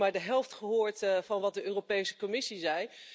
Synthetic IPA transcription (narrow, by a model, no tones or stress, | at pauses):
maːɹdəɦɛlˠftχəɦʊːɹtfɑnʋɑt̚dəøːropejsə̥kɔmɪsizɛj